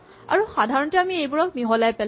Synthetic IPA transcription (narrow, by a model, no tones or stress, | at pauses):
a̰ɹuxadʱaɹɔntɛamiejbuɹɔk̚miɦɔlajpɛl